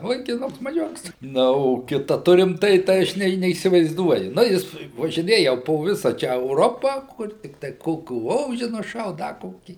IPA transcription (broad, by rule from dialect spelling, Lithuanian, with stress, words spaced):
ʋɐɪkʲɪˈnʊks mɐˈʒʲʊks ˈnɐ oː ˈkʲɪtɐ ˈtʊrʲɪm ˈtɐɪ tɐɪ ˈɐʃ nʲɛ nʲɛiːsʲɪʋɐɪzˈduɔjʊ ˈnɐ jɪs ʋɐʒʲɪˈnʲeːjɛ poː ˈʋʲɪsɐ ˈt͡ʃʲɛ ɛʊˈroːpɐ ˈkʊr tʲɪktɐɪ ˈkoːkʲuː ˈoːʒʲɪ nʊˈʃɐʊt ˈdɐ ˈkoːkʲiː